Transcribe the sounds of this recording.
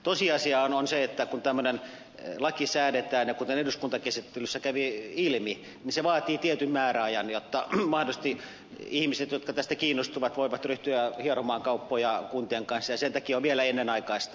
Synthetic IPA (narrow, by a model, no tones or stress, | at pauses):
t̪osiɑsiɑːnonseet̪ːækunt̪æmːønen | lɑkisæːdet̪æːnjɑkunt̪eneduskunt̪ɑkesit̪ːelysːækæʋiilmi | ninseʋɑːt̪iːt̪iet̪ymmæːræɑjɑnjot̪ːɑmɑhdost̪i | ihmiset̪jot̪kɑt̪æst̪ækiːnːost̪uʋɑt̪ʋoiʋɑt̪ryht̪yæhiɑnomɑːŋkɑupːojɑkunt̪ieŋkɑnsːɑjɑsent̪ækioʋʋielæenːenɑikɑist̪